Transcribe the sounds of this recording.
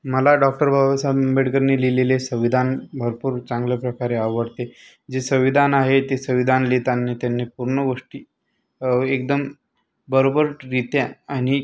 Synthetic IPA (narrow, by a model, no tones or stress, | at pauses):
məlaɖɔk̚ʈəɾbʱabasammbeɽkəɾnililelesəʋid̪ʱanbʱəɾpuːɾt͡sãŋɡlapɾəkaɾeaʋəɽt̪e | d͡ʑesəʋid̪ʱanaɦet̪esəʋid̪ʱanlit̪anːet̪janːepuɾɳəʋəʂʈi | ek̚d̪əm | bəɾobəɾdit̪jaaɽ̃i